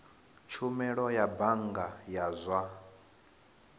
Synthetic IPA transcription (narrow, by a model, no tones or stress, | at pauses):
t͡ʃʰumɛɺɔjabaŋɡajazʷa